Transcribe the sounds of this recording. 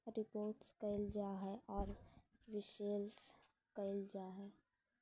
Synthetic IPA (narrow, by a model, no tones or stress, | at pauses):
ɾɪpoːɾʈskəɪld͡ʒaːɦɛʔɔːɾʋɪʃeːls | kəɪld͡ʒaːɦɛː